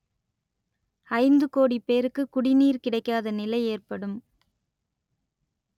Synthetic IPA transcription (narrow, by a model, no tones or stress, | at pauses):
ɐɪnd̪ɯkoːɽipːeːɾɯkːɯkʊɽɪniːɾkɪɽɐɪkːaːðɐnɪlɐɪeːrpɐɽɯm